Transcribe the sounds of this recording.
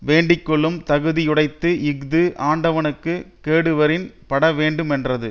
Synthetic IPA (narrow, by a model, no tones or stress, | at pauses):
ʋeːɳɖɪkːɔɭːɯmt̪ɐɣɯðijʊɽɐɪt̪ːɯɪɡd̪ɯʔaːɳɖɐʋɐnɯkːɯkːeːɽɯʋɐɾɪn | pɐɽɐʋeːɳɖɯmɛndrɐðɯ